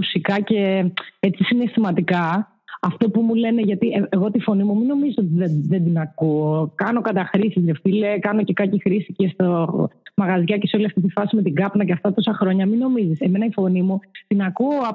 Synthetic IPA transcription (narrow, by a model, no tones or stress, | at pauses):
usikɐce̞et͡sisine̞st̪imɐd̪ikɐ | ɐft̪o̞pumule̞neʝɐt̪ieeɣo̞t̪ifo̞nimumino̞mizisot̪iðeðe̞nd̪inɐkuokɐno̞kɐt̪ɐxɾisizjeft̪ilekɐno̞cekɐcixɾisicest̪omɐɣɐzʝɐceso̞liɐft̪it̪̬ifɐsime̞t̪iɡɐpnɐceɐft̪ɐt̪o̞sɐxɾo̞ɲɐmino̞mizise̞me̞nɐifo̞nimut̪inɐkuoɐ